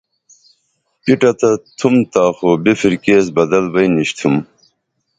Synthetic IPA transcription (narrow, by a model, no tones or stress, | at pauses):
piʈɐt̪ɐt̪ʰumt̪aːxobifiɾkeːsbɐd̪ɐlbɐjniɕt̪ʰum